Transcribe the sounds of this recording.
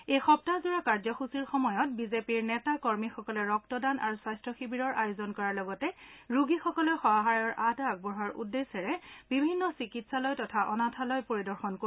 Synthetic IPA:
ejxɔp̚tazuɹakaɹzɔxusiɹxɔmɔjɔt̚bizepiɹnɛtakɔɹmixɔkɔlɛɹɔktɔdana̰ɹusajstɹɔxibiɹɔɹʔajozɔnkɔɹalɔɡɔtɛɹuɡixɔkɔlɔjxɔaɦaɹjɔɹʔadaɡ̚bɔɹɦaɹṵdːesɛɹɛbibʱinːɔsikitsalɔjtɔtʰaʔɔnatʰalɔjpoɹidɔɹxɔnko

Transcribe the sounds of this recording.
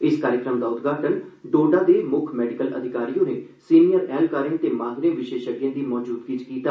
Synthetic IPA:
ɪskaːɾɪkɾəmd̪aːʊt̪ɡaːʈənɖoːɖãːd̪eːmʊkʰmɛːɖɪkələ̰d̪ʱɪkaːɾijõːneːsiːnijəɾɛːlkaɾɪ̃ɳt̪eːmãːt̪ɾẽːʋɪʃeːʃəɡjãːd̪iːmɔːd͡ʒuːd̪kiːt͡ʃkiːt̪aː

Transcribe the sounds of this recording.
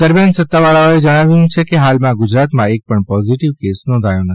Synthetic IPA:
d̪əɾmjansət̪ːaʋaɭaoed͡ʒəɽ̃aʋjuũt͡ʃʰekeɦalmãɡʊd͡ʒɾat̪mãek̚pəɳpɔziʈiʋkesnɔ̃nd̪ʱajõnət̪ʰi

